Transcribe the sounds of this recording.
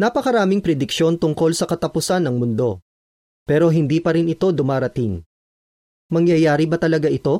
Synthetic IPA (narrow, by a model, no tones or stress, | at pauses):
napɐkɐɾaːmɪŋpɾɛd̪ɪkʃo̞nt̪ʊŋko̞lsɐkɐt̪ɐpʊsanːɐŋmʊnd̪o̞̰ | pɛːɾo̞ɦɪnd̪iːpɐɾɪnɪt̪o̞d̪ʊmaːɾɐt̪ɪŋ | mɐŋjɐjaːɾɪbɐt̪ɐlɐɡaʔɪt̪o̞